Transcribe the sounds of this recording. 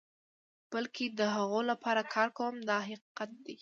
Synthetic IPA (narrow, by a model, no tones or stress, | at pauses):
b̥əlkʰed̪əɦaɣolapʰɑɾakʰɑɾkawəmd̪ɑɦɑqqat̪̚d̪e